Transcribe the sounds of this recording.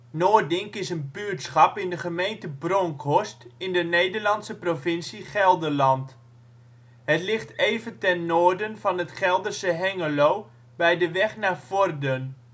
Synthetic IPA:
noːdɪŋkɪsənbytsχɑpɪndəχəmejntəbroŋkʰɔstɪndənejdəɹlɑnsəprofɪnsiχɛlˠdəlɑnt | hətlɪχtejvəntɛnːoːrdənfɑnətχɛlˠdərsəɦɛŋəloː | bɛjdəʋɛχnaːfɔrdən

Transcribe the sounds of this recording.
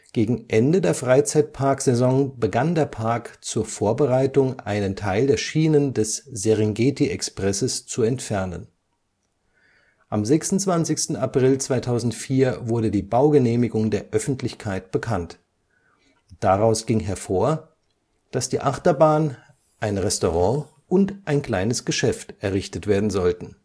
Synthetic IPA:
ɡ̥eːɡŋ̩ʔɛndədeːɐfʁ̥aɪt͡saɪt̚pʰaɐkz̥ɛzɔŋbəɡandeːɐpʰaɐkt͡suːɐfoːɐbəʁaɪtʊŋʔa̰ɪnəntʰaɪldeːɐʃiːnəndɛszeʁɪŋɡeːtiʔɛkspʁ̥ɛsəst͡suɛntfɛɐnə̰n | ʔamzɛksʊnt͡sv̥ant͡sɪçstn̩apʁ̥ɪlt͡sv̥aɪtʰaʊzn̩tfiːɐvʊɐdədiːbaʊɡəneːmɪɡʊŋdeːɐʔœfn̩tlɪçkʰaɪtb̥əkʰant | d̥aʁaʊsɡ̥ɪŋɦɛɐfoːɐ | d̥asd̥iːʔaχtɐbaːn | ʔaɪnʁɛstoʁɑ̃ | ʔʊntʔaɪnkl̥aɪnəsɡ̥əʃɛftʔɛɐʁɪçtətv̥eːɐdn̩zɔltn̩

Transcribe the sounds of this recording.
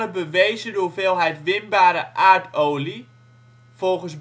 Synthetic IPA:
əbəʋejzədʊːrfɪːlˠɦɛjtʋɪnbaːɾəʔaːɹtʰoːli | folˠɣəns

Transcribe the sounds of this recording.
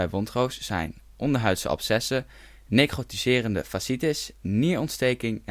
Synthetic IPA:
ɛjʋɔntrowsz̥ɛ̰jn | ʔɔndəɹɦœɥtsə̰ɔ̰psɛsə | nejkχotizɪːrəndə̰fasitɪsniːɹɔntstejkɪŋ

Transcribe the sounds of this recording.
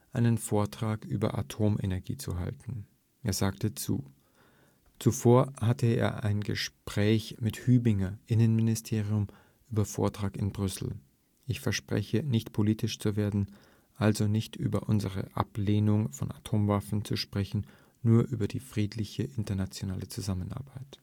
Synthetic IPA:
ʔaɪnənfoːɐtʁ̥aːkʔy̰ːbɐ̰ʔa̰tʰoːmʔḛnɛɐɡḭːt͡sṵɦa̰ltn̩ | ʔeːɐzaːktət͡sṵː | t͡sufoːɐhatəḛːɐʔa̰ɪnɡəʃpʁ̥ɛːçmɪthyːbɪŋɐʔɪnənmɪnɪstʰeːʁiʊm | ʔyːbɐfo̰ːɐtʁ̥aːkɪnbʁʏsl̩ | ʔɪçfɛɐʃpʁ̥ɛ̰çənɪçtpʰoliːtɪʃt͡suveːɐdn̩ | ʔalzonɪçtʔy̰ːbɐ̰ʔʊnzəʁə̰ʔa̰pleːnʊŋfɔnatʰoːmvafn̩t͡suʃpʁ̥ɛçn̩ | nuːɐʔyːbɐdiːfʁ̥iːtlɪçəʔɪntɐnat͡sjonaːlət͡suzamənʔa̰ɐbaɪt

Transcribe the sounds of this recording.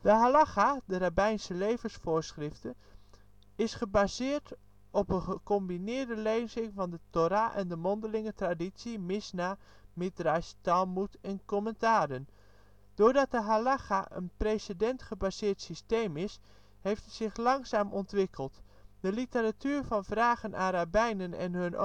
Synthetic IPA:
d̥əɦalaχadərabɛjnsəlejvənsfʊːɹsχrɪftə | ɪsχəbazɪːɹt | ɔpəχəkɔmbinɪːɹdəleːnzɪŋvɑndətoɾaʔɛndəmɔndəlɪŋətradisimɪsna | mɪtrajstalˠmutɛnkɔməntaːdən | d̥ʊːɹdɑt̚dəɦalaχaʔə̰nprejsədɛntχəbazɪːɹtsistejmɪs | hejftz̥ɪχlɑŋsaːmʔɔntʋɪkʰəlˠt | dəlitəɾatʰyːɹvɑnvraːχənʔaːrabɛjnənɛ̰nɦɵn

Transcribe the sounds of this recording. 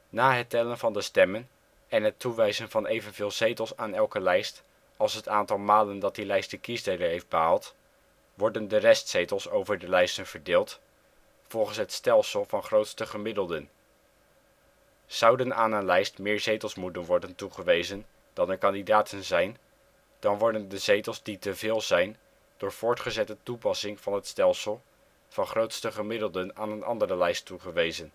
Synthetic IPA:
naːɦətɛlənvɑndəstɛmən | ɛnɦətuʋɛjzənvɑnʔejvənvɪːlˠz̥ejtəlˠsaːnɛlˠkəlɛjst | ɑlˠsɦətaːntɑlˠmaːləndɑt̚dilɛjst̚dəkisdejdəɹɦejfd̚bəɦaːlˠt | ʋɔɹdəndərɛstsejtəlˠsowvəɹdəlɛjstənv̥əɹdɪːlˠt | fɔlˠχənsɦətstɛlˠsəlˠvɑnχrowtstəχəmɪdəlˠdən | z̥ʌwdənaːnənlɛjstmɪːɹzejtəlˠsmutənʋɔɹdəntuχəʋejzən | d̥ɑnəɹkɑndidaːtʰənzɛjn | d̥ɑnʋɔɹdəndəzejtəlˠzditəvɪːlˠzɛjn | d̥ʊːɹv̥ʊːɹtχəzɛtətupɑsɪŋvɑnɦətstɛlˠsəlˠ | v̥ɑnχrowtstəχəmɪdəlˠdənaːnənʔɑ̰ndərəlɛjstːuχəʋejzən

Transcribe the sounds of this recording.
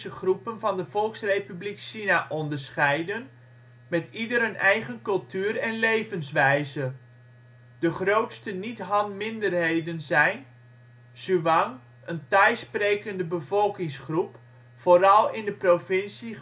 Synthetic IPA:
əχrupənvɑndəv̥ɔlˠksrejpybliksinaʔɔndəɹsχɛjdən | mɛtidəɾənɛjχənkɵlˠtyːɾɛnlejvənsʋɛjzə | dəχrowtstənitɦɑntmɪndərɦejdənzɛjn | z̥yʋɑŋ | əntœɥsprejkəndəbəvɔlˠkɪŋsχrup | foɾɑlˠɪndəprofɪnsi

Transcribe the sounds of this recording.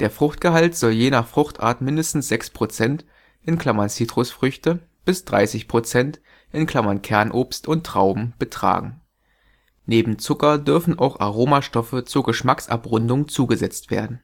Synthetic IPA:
d̥eːɐfʁ̥ʊχtɡ̥əɦaltz̥ɔljeːnaχfʁ̥ʊχtʔa̰ːɐtmɪndəstn̩sz̥ɛkspʁ̥ot͡sɛnt | ʔɪnkl̥amant͡siːtʁ̥ʊsfʁ̥ʏçtə | b̥ɪsd̥ʁa̰ɪsɪçpʁ̥ot͡sɛnt | ʔɪnkl̥amɐnkʰɛɐnʔoːpstʊntːʁ̥aʊbm̩b̥ətʁ̥a̰ːɡŋ̩ | neːbm̩t͡sʊkɐdʏɐfn̩ʔa̰ʊxa̰ʁoːmaʃtɔfət͡suːɐɡəʃmaksʔa̰pʁʊndʊŋt͡suːɡəzɛt͡stv̥ḛːɐdn̩

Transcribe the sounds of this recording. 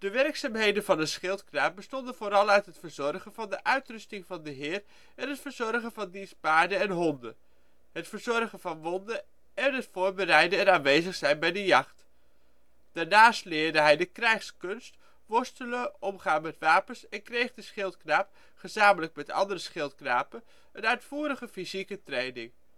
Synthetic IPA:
d̥əʋɛrksaːmɦejdəvɑndəsχɪlˠtknaːp̚bəstɔndəv̥oːɾɑlˠœɥtɦətfəɹzɔrχənvɑndəʔœɥtrɵstɪŋvɑndəɦɪːr | ɛnɦətfəɹzɔɹχənvɑndispaːɹdəɛnɦɔndə̰ | ɦətfəɹzɔɹχəvɑnʋɔndə | ɛnɦətfʊːɹbəɾɛjdəɛnaːnʋejzəχsɛjnbɛjdəjɑχt | d̥aːɹnaːstlɪːɹdəɦɛjdəkrɛjχskɵnst | ʋɔɹstələɔmχaːnmɛtʋaːpənsɛnkrejχdəsχɪlˠtknaːp̚ | χəzaːmələk̚mɛtɑ̰ndərəsχɪlˠtknaːpən | ənœɥtfuːɾəχəfizikətrejnɪŋ

